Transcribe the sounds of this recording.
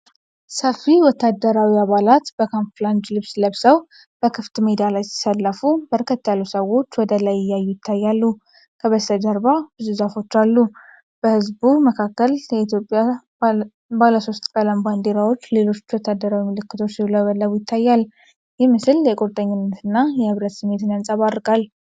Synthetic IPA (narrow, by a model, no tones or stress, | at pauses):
səfiwɔt̪ːad̪əɾawiaβalat̪b̥əkʰanfland̪lɨβsləβsəw | b̥əkʰɨft̪med̪ijalajsi̥salːəfubəɾkʰət̪ːjalːusəwo̞t͡ʃːwɔd̪əlajɪjːajːujɪt̪ʰːajːalːu | kʰəβəsəd͡ʒəɾbabɨzuzafo̞t͡ʃːalːu | b̥əhɨzbuməkʰakːəljɛit̪ʰjo̞pʼːja | baləso̞st̪ʼkʼələmband̪e̞ɾawo̞t͡ʃːle̞lo̞t͡ʃːwɔt̪ʰːad̪ːəɾawimɨlɨkːɨ̥t̪ʰo̞t͡ʃːsihlojɛβəlːəβujɪt̪ʰːajːal | jɛmɨsɨljɛkʼoɾt̪ʼəɲːɪnːət̪ʰɨnːajɛhɨβɾət̪sɨmːe̞t̪ɨnjansʼaβaɾːɨkʼal